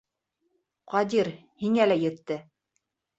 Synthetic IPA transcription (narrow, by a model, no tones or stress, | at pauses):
qɑd̪iɾ | hiŋælæjɘ̆t̪ːɘ